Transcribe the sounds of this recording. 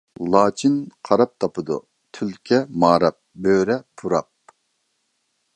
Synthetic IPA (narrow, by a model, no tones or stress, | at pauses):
lˠɑːt͡ʃʰinqʰɑɾɑp̚t̪ʰɑpʰɨd̪ṵ | t̪ʰylkʲʰɛmɑːɾɑp̚bøːɾɛpʰuɾɑp̚